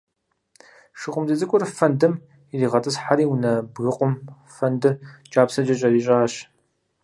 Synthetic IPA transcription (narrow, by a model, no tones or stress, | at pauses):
ʃɨqʷʊmzɨzɨkʷʼʊrfɐndɨm | iriːʁɐtʼɨsħaɾiːwunɐbɣɨqʷʊm | fɐndɨrt͡ʃʼaːpsɐd͡ʒɐɕʼɐɾiːɕʼaːɕ